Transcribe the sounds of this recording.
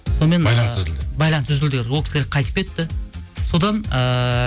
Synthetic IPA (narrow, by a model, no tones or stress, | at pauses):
so̞nme̞nɑjlˠɑnszɪld̪ɪbɑjlˠɑnʒʏzɪld̪ɪɡʲeɾwokʲɪ̥sleɡʲeqʰɑjt̪əp̚kʰʲe̞t̪ːɪso̞d̪ɑnə